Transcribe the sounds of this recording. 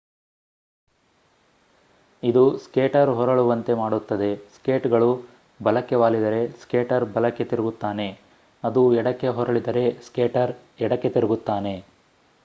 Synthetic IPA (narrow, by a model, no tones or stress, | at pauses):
id̪uskeːʈɐɾɦɔɾɐɭuʋɐnt̪e̞maːɽut̪ːɐd̪e̞skeːʈɡɐɭu | bɐlɐkːeʋaːlid̪ɐɾe̞skeːʈɐɾbɐlɐkːe̞t̪iɾuɡut̪ːaːne̞ | ɐd̪uɛɽɐkːe̞ɦɔɾɐɭid̪ɐɾe̞skeːʈɐɾ | ɛɽɐkːe̞t̪iɾɐɡut̪ːaːne̞